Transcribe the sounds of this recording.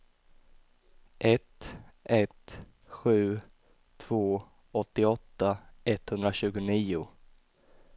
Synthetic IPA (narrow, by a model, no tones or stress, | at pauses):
ʔɛt̪ʔɛt̪ | ɧʉ̟ː | t̪ʰːv̥oː | ɔt̪ːɪɔt̪ːaʔɛt̪hɵnd̪ɾaɕʉ̟ːɡʊniːʊ